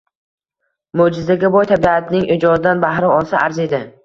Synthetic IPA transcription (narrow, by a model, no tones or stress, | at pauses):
mod͡ʒɪzaɡʲabɒjt̪ʰabiat̪ʰnɪŋʔɪd͡ʒɒd̪ɪd̪anbahɾɪɒlˠsaʔaɾze̞d̪ɪ